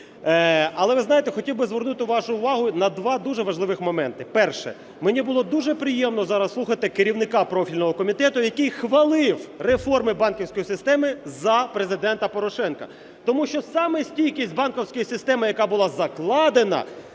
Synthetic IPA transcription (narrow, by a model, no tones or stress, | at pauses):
ɐlˠɛʋɪznɑjet̪ɛxɔtʲiwbɪzʋɛrnut̪ɪʋɑʃʊːʋɑɦʊnɐd̪ʋɑd̪uʒɛʋɐʒlˠɪʋɪxmɔmɛnt̪ɪpɛrʃɛ̰ | menʲibʊlˠɔd̪uʒɛpɾɪjɛmnɔzɑɾɐslˠuxɐt̪ɪkeɾʲiwnɪkɑpɾɔfʲilʲnɔɦɔkɔmʲit̪ɛt̪ʊjɐkɪjxʋɐlˠɪwrefɔrmɪbɑnkʲiwsʲkɔjisɪst̪ɛmɪzɐpɾezɪd̪ɛnt̪ɐpɔɾɔʃɛnkɐ̰ | t̪ɔmuʃt͡ʃɔsɑmɛsʲtʲilʲkʲisʲtʲbɑnkɔwsʲkɔjisɪst̪ɛmɪjɐkɑbʊlˠɑzɐklˠɑd̪enɐ̰